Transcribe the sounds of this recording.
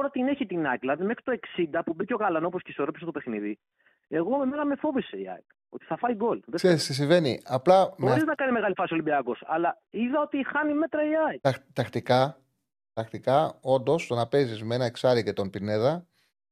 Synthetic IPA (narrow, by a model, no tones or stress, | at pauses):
t̪oɾɐt̪ine̞çit̪inɐklɐðime̞xɾi̥t̪oe̞ksind̪ɐpubico̞ɣɐlɐnoposceiso̞ɾopiset̪ope̞xniði | e̞ɣo̞e̞me̞nɐme̞fo̞viseiɐ̰jk | o̞t̪i̥θɐfɐiɡo̞lðeseɾisis̬ĩɱve̞niɐplɐmbɾiznɐkɐnizme̞ɣɐlifɐsiolibiɐkosɐ̰lɐ | iðɐo̞t̪ixɐnime̞t̪ɾɐiɐjɐt̪ɐxt̪ikɐ | t̪ɐxt̪ikɐo̞nd̪o̞st̪onɐpe̞zizmeenɐeksɐɾicet̪o̞npine̞ðɐ